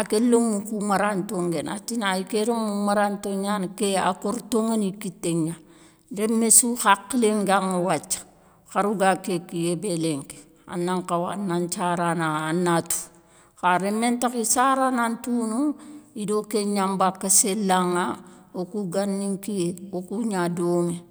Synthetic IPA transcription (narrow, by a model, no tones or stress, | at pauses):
akelomːukumaɾantoŋɡena̰tinaikeɾemːumaɾantoɲankea̰koɾtoŋanikitːeŋa | demesuxakːleŋɡaŋuwat͡ʃːḁ | xaɾuɡakekijebeleŋke̥ | a̰nːaŋkawa̰nant͡ʃaɾanaanːatu̥ | xaɾemːentakisaɾanantunuidokeɲambakːaselaŋaokuɡanːiŋkieokuɲadome